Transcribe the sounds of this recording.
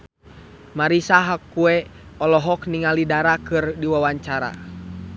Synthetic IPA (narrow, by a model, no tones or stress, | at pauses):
maɾisaɦakːuɛ | ɔlɔɦɔkniŋalidaɾakɨrdiwawaɲt͡ʃaɾa̰